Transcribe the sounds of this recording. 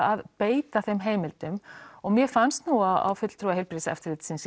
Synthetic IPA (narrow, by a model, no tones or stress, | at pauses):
aðpeːjt̪aθejmɦeːjmɪlt̪ʏmɔɣmjɛfanst̪nuɣaa̰wfʏt̪l̥t̪ʰɾuːaɦejlpɾisaɛ̰ft̪ɪɾlɪt̪sɪns